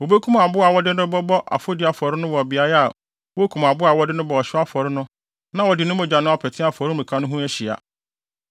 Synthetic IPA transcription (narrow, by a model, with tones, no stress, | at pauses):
wo˨be˦kʰũ˦m˨a˨bʊ˦a˨wɔ˦dɪ˦nʊ̃˦bɔ˦bɔ˦ʔa̰˨fʊ˦dɪ˨˦a˨fɔ˨ɾɪ˦nʊ̃˦wɔ˨bɪ˨a˦jɛ˦a˨ | wo˦kʰũ˨m˨a˨bʊ˦a˨wɔ˦dɪ˦nʊ̃˦bɔ˨ɔ˨ɕᶣɪ˦a˦fɔ˨ɾɪ˦nʊ̃˦ | nã˦wɔ˨dɪ˨nʊ̃˦mɛ̃˨d͡ʑᶣa˨nʊ̃˦a˨pʰɛ˨tʰɪ̃˦a˨fɔ˨ɾɪ˦mĩ˨kʰã˦nʊ̃˦ɦũ˦æ˦ɕi˨a̰˨